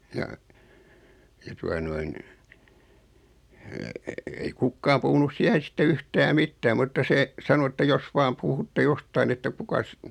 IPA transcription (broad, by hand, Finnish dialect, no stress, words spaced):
jɑ jɑ tuɑ noin ei kukːɑːm puhunus siæhen̞ sĭtːe yhtæː mitːæː mutːɑ se sɑno etːæ jos ʋɑːm puhutːe jostɑin etːæ kukɑs